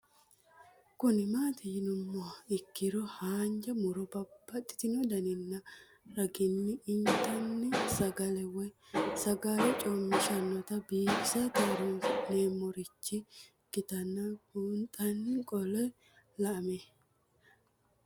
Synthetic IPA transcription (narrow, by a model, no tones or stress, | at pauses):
kʊnɪmaːt̪ɪjɪnʊmːɔɪkːɪɾɔhaːnd͡ʒɐmʊɾɔbɐbːɐt̪ʼːɪ̥t̪ɪnɔd̪ɐnɪnːɐ | ɾɐɡɪnːɪɪnt̪ʼɐnːɛsɐɡɐlɛwɔjsɐɡɐlɛt͡ʃʼɔmːɪʃɐnːɔt̪ɐbiːbsɐt̪ɐɾne̞ːmːɔɾɪt͡ʃːɪ | kɪt̪ɐnːɐuːnt̪ʼɐnːɪkʼɔlɔj | lɐʔɐme